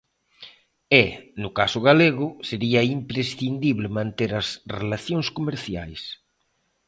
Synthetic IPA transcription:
ɛnʊkasʊɣaleɣʊseɾiɐimpɾesθind̪iβlɪmãnt̪eɾɐsrelaθjoŋskomeɾθja̰js

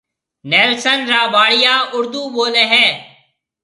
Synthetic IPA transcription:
nɛːlsənɾaːbaːɽɪjaːʊɾd̪uːboːleːɦɛː

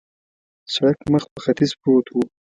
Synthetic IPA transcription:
saɽakməxpəxat̪izpoːt̪ʰwu

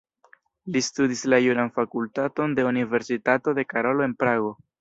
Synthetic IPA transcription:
listudislajunanfakultato̞nde̞unive̞ɾsitato̞de̞kaɾo̞loe̞npɾaɡo̞

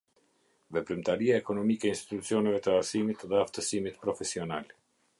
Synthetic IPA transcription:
vɛpɾimt̪aɾiaɛkɔnɔmikɛinst̪i̥t̪ut͡siɔnɛvɛt̪əasimit̪ðɛaft̪əsimit̪pɾɔfɛsiɔnal

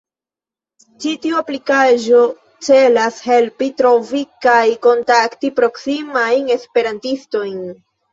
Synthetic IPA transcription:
t͡ʃitiuaplikaʒo̞ | t͡se̞lashe̞lpitɾo̞vikajko̞ntaktipɾo̞ksimajne̞spe̞ɾantisto̞jn

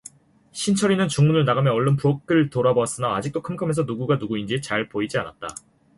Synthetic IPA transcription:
ɕʰint͡ɕʰʌɾinɯnt͡ɕuŋmunɯɭnaɡamjʌʌɭːʌnpʰuok͈̚ɯɭtoɾaboas͈ɯnaːd͡ʑik̚t͈okʰɯmkʰamensʰʌnuɡuɡanuɡuind͡ʑit͡ɕaɭpoid͡ʑiana̰t̚t͈a

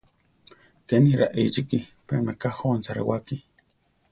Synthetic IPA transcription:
keniɾaʔejt͡ʃikipḛmekaxont͡saɾḛwaki

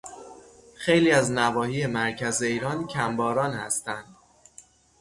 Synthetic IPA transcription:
xe̞jliːæznævɒːhiːemæɾcʰæze̞iːɾɒːncʰæmbɒːɾɒːnhæ̰st̪ænd̪̥

